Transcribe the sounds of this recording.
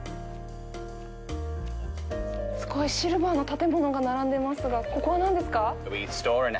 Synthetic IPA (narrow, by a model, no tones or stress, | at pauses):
sɨ̥ko̞iɕiɾɯ̟baːno̞t̪at̪e̞mo̞no̞ɡanaɾãnd̪e̞masɨɡako̞ko̞βanãnd̪e̞sɨ̥kawistɔɹɨ̃n